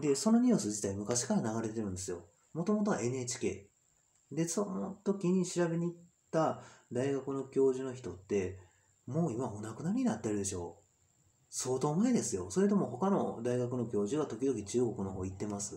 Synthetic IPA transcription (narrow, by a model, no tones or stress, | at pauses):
d̪e̞so̞no̞ɲ̟iɯsɨʑit̪aimɯ̟kaɕi̥kaɾanaɡaɾe̞t̪e̞ɾɯ̟nd̪e̞sɨjo̞̰ | mo̞t̪o̞mo̞t̪̬o̞βae̞ne̞ːt͡ɕi̥ke̞ː | d̪e̞sonot̪o̞kʲiɲ̟iɕiɾabe̞ɲ̟iːt̪ːad̪aiɡakɯ̟no̞kʲo̞ːʑɨno̞çi̥t̪o̞t̪ːe̞ | mo̞ːimaonakɯ̟naɾ̟ʲɲ̟inat̪ːeɾɯ̟d̪e̞ɕo̞̰ː | so̞ːt̪o̞ːmaed̪e̞sɨjo̞so̞ɾet̪̬o̞mo̞ho̞kano̞d̪aiɡakɯ̟no̞kʲo̞ːʑɨβat̪o̞kʲid̪o̞kʲit͡ɕɨːɡo̞kɯ̟no̞ɦoːit̪ːe̞masɨ̥